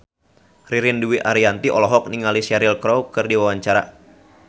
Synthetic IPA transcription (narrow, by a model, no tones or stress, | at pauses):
riɾɪnduiʔaɾiant̪iʔɔlɔɦɔk̚niŋalisaɾɪlkɾɔwkɨrdiwawaɲt͡ʃaɾa̰